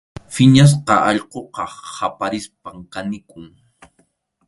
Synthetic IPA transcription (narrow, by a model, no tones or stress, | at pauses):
fɪɲas̬qɑʔɑʎqoqɑhapaɾɪspamkanɪkʊŋ